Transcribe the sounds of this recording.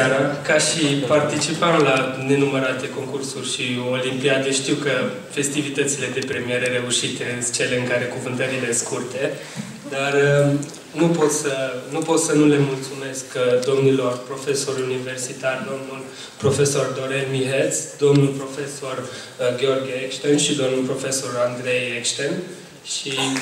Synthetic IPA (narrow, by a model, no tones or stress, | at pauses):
aɾakaʃipart̪it͡ʃipəmlane̞numəɾat̪e̞ko̞ŋkursurʲʃio̞limpiad̪e̞ʃt̪iwkə | fe̞st̪ivit̪ət̪sile̞d̪e̞pɾe̞mie̞ɾeɾe̞uʃit̪eɨnt͡ʃe̞le̞ɨŋkaɾe̞kuvɨnt̪əɾile̞skurt̪e̞ | d̪arə | nupo̞t̪sənupo̞t̪sənule̞mult̪sume̞skd̪o̞mnilo̞rpɾo̞fe̞so̞ɾunive̞rsit̪ard̪o̞mnul | pɾo̞fe̞so̞rd̪o̞ɾenmiɦet̪sd̪o̞mnulpɾo̞fe̞so̞r | ɡʲeo̞rɡʲekʃt̪enʃid̪o̞mnulpɾo̞fe̞so̞rand̪ɾe̞jekʃt̪en | ʃi